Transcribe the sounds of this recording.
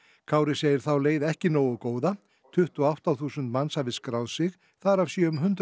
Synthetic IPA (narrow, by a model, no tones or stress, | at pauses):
kʰaːwɾɪseːjɪɾ̥θawleːjðɛhcɪnoːwʏkoːwða | t̪ʰʏht̪ɔawht̪awθuːsʏnt̪mansavɪskɾawðsɪx | θaɾavsjœːʏmɦʏnt̪